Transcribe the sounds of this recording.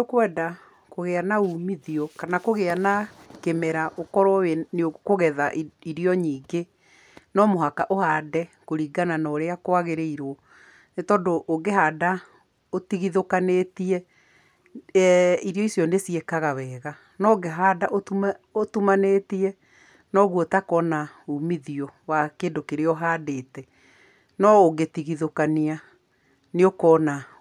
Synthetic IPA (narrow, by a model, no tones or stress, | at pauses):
okwɛːda | koɣeanauːmiðiɔkanakoɣeanakemɛɾaʔokɔɾɔweneokoɣɛðaʔiɾijɔɲiːɡe | nɔmoɦakaʔohadɛkoɾiːɡananɔɾeakoaɣeɾeiɾo | netɔːndoʔːɡeɦaːda | otiɣiðokanetiɛ | ɛiɾijɔisjɔnesiɛkaɣawɛːɣa | nɔɡeɦadaʔootumanetiɛ | nɔɣuotakɔnaumiðiɔwakeːndokeɾeɔɦaːdeːtɛ | nɔoɡetiɣiðokania | neokɔːna